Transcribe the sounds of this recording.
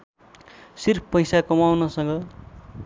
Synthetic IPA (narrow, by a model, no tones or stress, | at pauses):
sirpʰpʌjsakʌmawnʌsʌ̃ŋɡʌ